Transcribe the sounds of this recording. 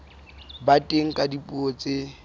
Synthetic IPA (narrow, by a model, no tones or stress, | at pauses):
batʼeŋ̩kʼadipʼuot͡sʼe